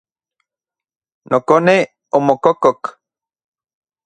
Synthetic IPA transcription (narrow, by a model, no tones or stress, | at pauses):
nʔokone | omokokok